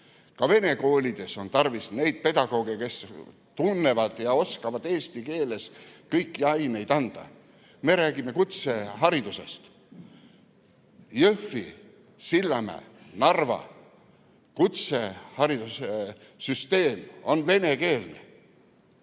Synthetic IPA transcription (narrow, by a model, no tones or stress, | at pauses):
kɑve̞ne̞ko̞ːlʲid̪̥e̞so̞nt̪ɑrvisne̞jd̪̥̚pe̞d̪̥ɑɡ̥o̞ːɡ̥eke̞s | t̪unːe̞vɑd̪̥jɑo̞skɑvɑd̪e̞ːst̪ike̞ːle̞skɤjkːiɑjme̞jd̪ɑnd̪̥ɑ̰ | me̞ɾæːɡ̥ime̞kut̪seɦɑɾid̪use̞̰st̪ | jøfi | silːɑmæ̰ːnɑrvɑ̰ | kut̪se̞hɑɾid̪̥use | syst̪e̞ːmo̞nve̞ne̞ke̞ːlnḛ